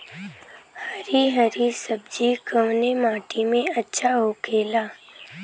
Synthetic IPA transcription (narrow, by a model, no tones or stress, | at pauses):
hɐɾiɦɐɾisɐb̚d͡ʒikəʋnemaːʈimẽɐtːʃʰaɦokʰeːlaː